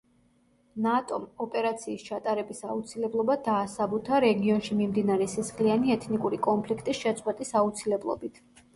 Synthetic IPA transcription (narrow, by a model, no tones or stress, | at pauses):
nat̪ʼɔmɔpʼɛɾat̪sʰiːst͡ʃʰat̪ʼaɾɛbisaut̪sʰilɛblˠɔbad̪aːsabut̪ʰaɾɛɡiɔnʃimimd̪inaɾɛsisχlianiɛt̪ʰnikʼuɾikʼɔnpʰlikʰt̪ʼisʃɛt̪sʼqʼwɛt̪ʼisaut̪sʰilɛblˠɔ̰bit̪ʰ